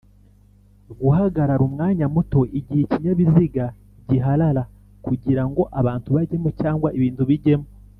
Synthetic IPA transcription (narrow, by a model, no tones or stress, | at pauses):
ɡuɦaɡaɾaɾumŋaːɲamuto̞ʔiɟiheciɲaβiziɡa | ɟiɦalaɾa | kuɟiɾaŋɡo̞ʔaβaːntuβaɟe̞mocaːŋɡwaʔiβiːntuβiɟe̞mo